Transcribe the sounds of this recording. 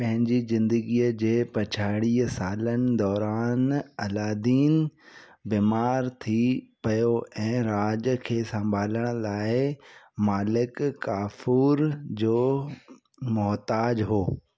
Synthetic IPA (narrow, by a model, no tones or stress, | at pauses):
pɐ̃ɦɪ̃ɲd͡ʑizɪ̃nd̪əɡiːəd͡ʑeːpɐt͡ɕʰaːɽiːɦəsaːlənɪ̆d̪ɔːɾaːnɐlaːd̪iːnbiːmaːɾt̪ʰipɐjoɛ̃ːɾaːd͡ʑkʰeːsɐ̃mbʱaːləɽ̃laːɪmaːlɪkkːaːfuːɾd͡ʑoː | mʊɦt̪aːd͡ʑɦoː